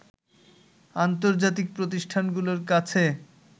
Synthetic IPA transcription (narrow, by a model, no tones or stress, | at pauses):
ant̪̬oɾd͡ʑat̪̬ik̚pɾot̪̬iʃʈʰanɡuloɾkat͡ɕʰe